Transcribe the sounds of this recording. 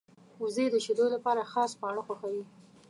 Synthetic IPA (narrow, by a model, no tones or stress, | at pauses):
uzed̪əʃed̪olapɑɾaxɑspɑɳ̃oxwaxawi